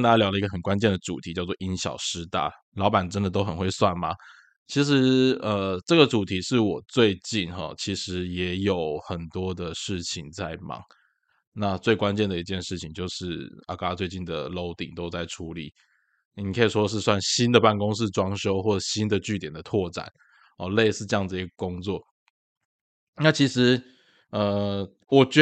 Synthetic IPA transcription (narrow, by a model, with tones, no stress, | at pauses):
nt̪a˥˩t͡ɕa˥ljɑ˧˥ʊlə˧i˧˥ɡə˧˩xə˨˩nkwa˦nt͡ɕjɛ˥˩nd̪ə˩ʈ͡ʂṵ˨˩t̪ʰi˧˥t͡ɕjɑ˥˧ʊt͡swɔ˥˨ʔi˥nɕjɑ̰˨˩ʊʂɻ̩˥t̪a̰˥˩ | lɑ˧˥ʊpa˨˩nʈ͡ʂə˥nd̪ə˨t̪o˥ʊxə˨˩nxwe˥˧ɪswa˥˩nmɐ̰˩ | t͡ɕʰi˧˥ʂ̬ɻ̩˧˥ə˧ʈ͡ʂɤ˥˩ɡə˩ʈ͡ʂu˨˩t̪ʰi˧˥ʂɻ̩˥˩wɔ˨˩t͡swe˥˧ɪt͡ɕi˥˩nxɑ̰˨˩t͡ɕʰi˧˥ʂɻ̩˧˥jɛ˧˥jo˨˩˦ʊxə˨˩nt̪wɔ˥d̪ə˨ʂɻ̩˥˩t͡ɕʰi˩ŋt͡sa˥˩ɪmɑ̰˨˦ŋ | na˥˧t͡swe˥˩ɪkwa˦nt͡ɕjɛ˥˩nd̪ə˩i˧˥t͡ɕjɛ˥˧nʂɻ̩˥˩t͡ɕʰi˨˩ŋt͡ɕjo˥˧ʊʂɻ̩˥˩a̰˨˩ka˥t͡swe˥˧ɪt͡ɕi˥˩nd̪ə˩lo˥˩ʊt̪ḭ˨˩ŋt̪o˥ʊt͡sa˥˩ɪʈ͡ʂʰu˧˥lḭ˨˩˦ | ni˨˩kʰə˧˥i˨˩ʂwɔ˥ə˨ʂ̬ɻ̩˥˧swa˥˩nɕi˦˥nd̪ə˨pa˥˩nko˥ŋʂ̬ɻ̩˥˩ʈ͡ʂwɑ˥ŋʂo˥ʊxwɔ˥˩ʈ͡ʂə˨˩ɕi˥nd̪ə˨t͡ɕy˥˩t̪jɛ˨˩nd̪ə˦t̪ʰwɔ˥˩ʈ͡ʂa̰˨˩˦n | ɔ˨˩le˥˧ɪsɹ̩˥˧ʈ͡ʂɤ˥jɑ˥˩ŋd͡z̩˩˨i˧˥ɡə˨kʊ˥ŋt͡swɔ˥˨˩ | na˥˩t͡ɕʰi˧˥ʂɻ̩˧˥ | ə˨ | wɔ˨˩t͡ɕ